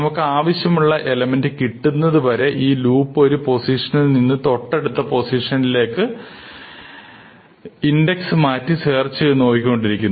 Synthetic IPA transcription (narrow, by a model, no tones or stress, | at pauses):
ɐmukːɨaːʋɐɕjɐmuɭːɐʔe̞lɐmendɨkiʈːunːɐðɨpɐɾe̞ʔiːluːpːo̞ɾupo̞siʂɐnilninːɨt̪o̞ʈːe̞ɽut̪ːɐpo̞siʂɐnile̞ːkːɨ | inde̞ksɨmaːtːɨse̞ːrt͡ɕːɨno̞ːkikʲio̞ɳɖiɾikʲːunː